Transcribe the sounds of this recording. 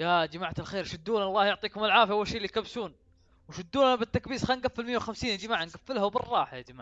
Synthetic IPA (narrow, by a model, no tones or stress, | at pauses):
jad͡ʒamaʕt̪ɪlxeːɾʃʊd̪ːuːnaɑlˤːɑːhjʊʕt̪ˤiːkʊmɪlʕaːfjaawːalʃeːlːijkabsuːn | wʃʊd̪ːuːnanabɪt̪ːakbiːsxaːnɡafːɪlmɪjːawxamsiːnd͡ʒɪmaːʕanɡafːɪlhawbɪrˤːɑːħjad͡ʒamaːʕ